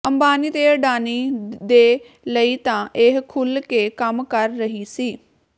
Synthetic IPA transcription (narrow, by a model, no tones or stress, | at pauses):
əmbaːniːt̪eːəɖaːniːd̪eː | ləiːt̪ãːʔɪɦkʰʊlkeːkəmkəɾːəɦiːsiː